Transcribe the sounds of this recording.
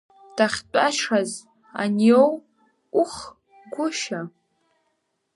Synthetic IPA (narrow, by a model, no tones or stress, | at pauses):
d̥aχʲt͡pʼaʃʂaz | a̰njow | ʊχ | ɡʷʊʃa